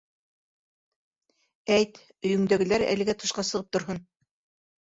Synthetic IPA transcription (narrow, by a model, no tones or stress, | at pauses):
æjt̪ | ɵ̆jɵ̆ŋd̪æɡɘ̆læɾæ̰lɘ̆ɡæt̪ɤ̆ʃqɑsɤ̆ʁɤp̚t̪ŏɾɦɤn